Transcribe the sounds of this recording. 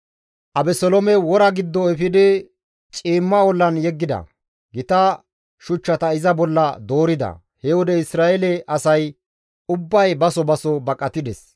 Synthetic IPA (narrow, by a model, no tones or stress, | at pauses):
ʔɐbɛsɔlɔmɛwɔɾɐɡɪd̪ːɔɛfɪd̪ɪ | t͡ʃʼiːmːɐwɔlːɐnjɛɡːɪd̪ɐ̰ | ɡɪt̪ɐ | ʃʊt͡ʃːɐt̪ɐɪzɐbɔlːɐd̪o̞ːɾɪd̪ɐ̰ | hɛwɔd̪ɛɪsɾaːɛlɛʔɐsɐj | ʊbːɐjbɐsɔbɐsɔbɐkʼːɐt̪ːɪd̪ɛs